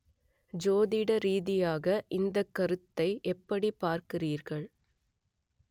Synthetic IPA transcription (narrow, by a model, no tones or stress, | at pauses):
d͡ʒoːðɪɽɐɾiːðɪjaːɣɐʔɪnd̪ɐkːɐɾɯt̪ːɐɪʔɛpːɐɽipaːɾkɪriːɾɣɐɭ